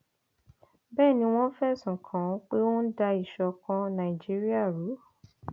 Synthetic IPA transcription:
bɛː˦˨nĩ˧w̃ɔ̃˦fɛ˦˨sũ˨kʰã˨˦k͡pe˦wõ˦n̩˦da˧i˨ʃɔ˨kã˧nã˨i˨d͡ʒi˦ɾi˦a˦˨ɾu˨˦

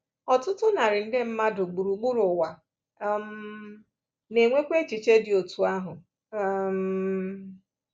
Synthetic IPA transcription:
ɔ˨tʊ˦tʊ˦na˨ɾɪ˨n̩˦dɪ˦m̩˦ma˦dʊ˨ɡ͡bu˨ɾu˨ɡ͡bu˦ɾʊ˨wa˨˦ | m̩˦ | ne˨ŋʷe˦kʷe˦t͡ʃi˨t͡ʃe˦dɪ˨o˨tu˨a˦ɦʊ˨˦ | m̩˦

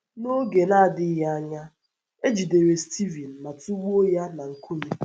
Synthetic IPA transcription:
no˦ɡe˨na˦a˨dɪ˦ja˦a˦ɲa˦ | e˦d͡ʒi˨de˨ɾe˨sti˦vi˨n̩˨ma˨tu˦wu˦o˦ja˦na˨ŋ̩˨ku˦ne˦

